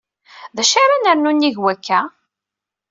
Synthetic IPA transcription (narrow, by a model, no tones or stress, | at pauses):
ðæʃaɾanəɾnunːiʝwækʰːæ